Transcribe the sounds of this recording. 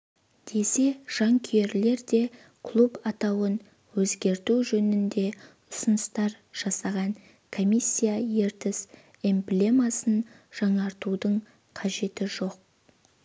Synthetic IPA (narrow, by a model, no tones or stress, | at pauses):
d̪̥e̞se̞ʒ̥ɑŋkʲʰʏjeɾle̞ɾd̪e̞ | kʰlˠupɑt̪ɑwən | wɵzɡʲe̞ɾt̪uʒɵnɪnd̪e̞ | ʊ̥sənəst̪ɑɾ | ʒ̥ɑsɑʁɑŋ | kʰomʲisʲːijaje̞ɾt̪ɪs | emplʲe̞masən | ʒ̥ɑɴɑɾt̪ud̪əɴ | qʰɑʒe̞t̪ɪʒo̞q̚